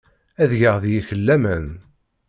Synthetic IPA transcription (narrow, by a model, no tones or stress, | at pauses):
æðjəʁðjiçəlːæmən